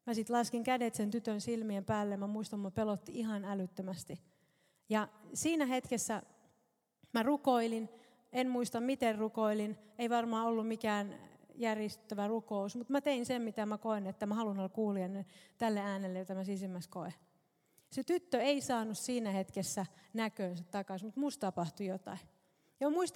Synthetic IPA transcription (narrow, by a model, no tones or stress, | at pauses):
mæsit̪lɑskiŋkædet̪sent̪yt̪ønsilmiempæːlːemæmuist̪ɑmmopelot̪ːiihɑnælyt̪ːømæst̪i | jɑsiːnæhet̪kesːæ | mærukoilin | enmuist̪ɑmmit̪errukoilineiʋɑrmɑːolːummikæːnjærjest̪ːøʋærukousmut̪mæt̪einsemmit̪æmækoenet̪ːæmæhɑlunolːkuːliɑnːyt̪ælːeæːnelːejot̪æmæsisimːæskoe | set̪yt̪ːøeisɑːnussiːnæhet̪kesːænækøːnsæt̪t̪ɑkɑsmut̪must̪ɑpɑht̪ujot̪ɑ̰i | jɑmuist̪